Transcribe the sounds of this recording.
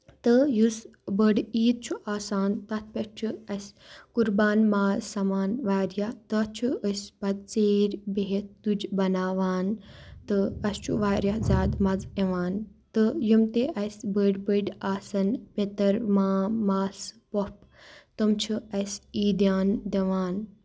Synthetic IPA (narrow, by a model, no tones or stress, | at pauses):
t̪ɨjusbəɖiːd̪̚t͡ʃʰuʔaːsaːnt̪ɐt̪̚ʰpʲet͡ʃʰuɐsʲkuɾbaːnmaːzsɐmaːnʋaːɾjaht̪ətt͡ʃʰuəsʲpɐd̪̚t͡seːɾʲbeɦet̪ud͡ʒbɐnaːʋaːnt̪ɨɐst͡ʃʰṵʋaːɾjɐzʲaːd̪mɐd͡zeʋaːnt̪ɨjumt̪eʔɐsbəɖbəɖaːsɐnpʲet̪ɐɾmaːmaːspop̚ | t̪əmt͡ʃʰuɐsiːd̪jaːnd̪eʋaːn